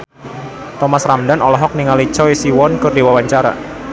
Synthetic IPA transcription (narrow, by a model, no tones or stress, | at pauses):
t̪ɔmasramdanɔlɔɦɔk̚niŋalit͡ʃɔisiwɔnkərdewawaɲt͡ʃaɾa̰